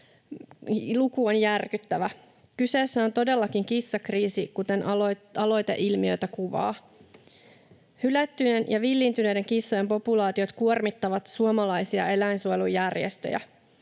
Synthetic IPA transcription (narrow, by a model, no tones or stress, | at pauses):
lukuonjærkyt̪ːæʋæ | kyse̞ːsːæo̞nt̪o̞de̞lːɑkiŋkisːɑkriːsikut̪e̞nɑlo̞jt̪ḛʔilmiø̞jt̪ækuʋɑ̰ː | hylæt̪ːynenjɑʋilːint̪ynejde̞ŋkisːoje̞mpo̞pulɑːt̪io̞t̪kuormit̪ːɑʋɑt̪suomɑlɑjsiɑ̰e̞læinsuojelujærjḛst̪ø̰jæ̰